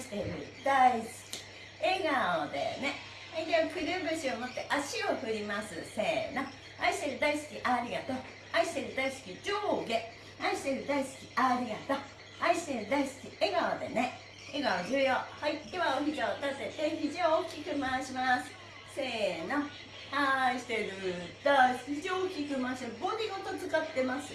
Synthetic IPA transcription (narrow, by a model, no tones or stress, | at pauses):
ɕi̥t̪e̞ɾɯ̟̰d̪̥aisɨ̥kʲi̥ | eɡaod̪e̞̰ne̞ | eɡokɯ̟ɾʲɯːbɯ̟ɕiomo̞t̪ːe̞ʔaɕio̞ɸɯ̟ɾʲimasɨse̞ːno | aiɕi̥t̪e̞ɾɯ̟d̪aisɨ̥kʲiʔaɾʲiɡat̪oː | aiɕi̥t̪e̞ɾɯ̟d̪aisɨ̥kʲid͡ʑoːɡe | aiɕi̥t̪e̞ɾɯ̟d̪aisɨ̥kʲiaɾʲiɡat̪oː | aiɕi̥t̪e̞ɾɯ̟d̪aisɨ̥kʲieɡaβad̪e̞̰ne̞ | eɡaβaʑɯjohaid̪eβaomʲid͡ʑaot̪aset̪ẽçʲid͡ʑiookʲːikɯmaɕimasɨ̥ | se̞ːna | aiɕi̥t̪e̞ɾɯd̪̥asʲikiokʲikɯ̟maːɕiaɡo̞ɲiɡot̪o̞t͡sɨkat̪ːe̞masɨ